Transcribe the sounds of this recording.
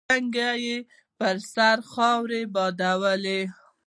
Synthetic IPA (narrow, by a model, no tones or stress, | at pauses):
aŋɡaje | pəɾsaɾxɑwɾebɑd̪awəle